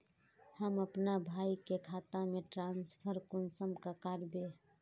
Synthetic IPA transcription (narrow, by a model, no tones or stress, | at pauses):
həməpnabʱaikekʰat̪ameʈɾãnspʰəɾkʊnsəmkakaɾbe